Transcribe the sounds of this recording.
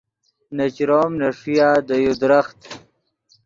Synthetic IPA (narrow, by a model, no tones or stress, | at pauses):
nat͡ɕɾoːmnaʂijaːd̪əjud̪ɾaxt̪